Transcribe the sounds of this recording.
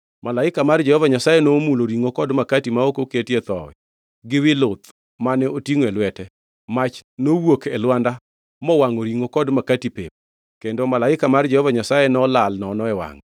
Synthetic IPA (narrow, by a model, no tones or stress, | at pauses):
malaɪkamard͡ʒɛhɔvaɲasajɛnomuloɾiŋokɔdmakatimaokoketjɛt̪ɔ̰wɛ̰ | ɡɪwɪlʊt̪ | manɛotiŋwɛlwɛtɛ | mat͡ʃnowokɛlwanda | mɔwaŋoɾiŋokɔdmakatipep̚ | kendomalaɪkamard͡ʒɛhɔvaɲasajɛnɔlalnɔnɔɛwa̰ŋ